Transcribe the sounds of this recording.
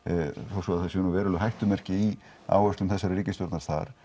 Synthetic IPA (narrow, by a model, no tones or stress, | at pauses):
θasɔaðθasɛnuvɛːɾʏlʏɦajht̪ʏmɛr̥cɪi | a̰ːwɛst̪ʏmθɛsːaɾriːcɪst̪jɔɾt̪naɾst̪a̰ɾ̥